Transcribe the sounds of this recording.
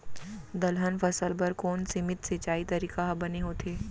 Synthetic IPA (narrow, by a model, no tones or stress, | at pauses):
d̪ɐlɦənfɐsəlbɐɾkoːnsɪmɪt̪seːt͡ʃaːit̪ɐɾiːkaɦɐbɐneɦoːt̪ʰeː